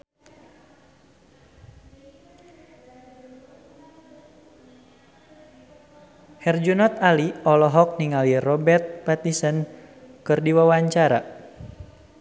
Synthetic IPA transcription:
hɛrd͡ʒunɔt̪̚aliɔlɔɦɔk̚niŋalirɔbɛrt̪̚pat̪isən | kɨrdiwawaɲt͡ʃaɾa̰

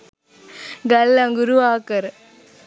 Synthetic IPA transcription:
ɡɐlːɐŋɡuɾuaːkɐɾ

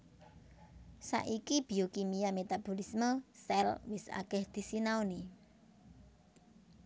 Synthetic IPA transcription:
sa̰ʔikib̥i̤okimiamet̪ab̥o̤lisməsɛlwɪsa̰kɛhd̪̥i̤sinaoni

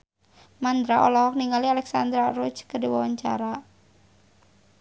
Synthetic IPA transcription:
mand̪ɾaʔolɔɦɔk̚niŋalialɛksand̪ɾarut͡ʃkədiwawaɲt͡ʃa̰ɾa

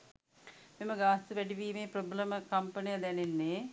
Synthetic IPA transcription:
meməɡaːst̪uʋɛɖiʋiːmeːpɾobləməkɐmpənijɐd̪ɛnenːeː

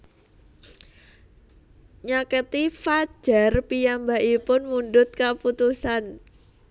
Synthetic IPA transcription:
ɲakət̪ifad̥ʒ̥a̤rpijambaʔipʊnmundʊt̪̚kaput̪usan

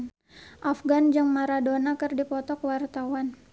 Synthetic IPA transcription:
n | ʔafɡand͡ʒəŋmaɾadonakɨrdipɔt̪ɔkwart̪awan

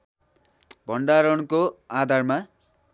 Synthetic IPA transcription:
bʱʌɳɖaɾʌɳkoad̪ʱarma

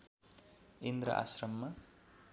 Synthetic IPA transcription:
end̪ɾʌ̰ʔa̰srʌmːa

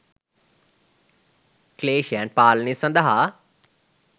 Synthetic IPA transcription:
kleːʃaɳʈ̚paːlnisɐ̃nd̪ɐɦa

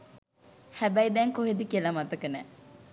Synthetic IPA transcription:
hæbæjid̪ɛːŋkoɦed̪ikelɐmɐt̪ɐkənæː

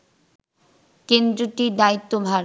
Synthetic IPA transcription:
kend̪ɾoʈid̪ait̪ːobʱa

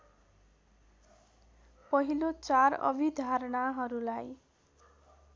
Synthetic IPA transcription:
pʌɦilot͡saɾʌ̰bʱid̪ʱaɾɽaɦʌɾulaj

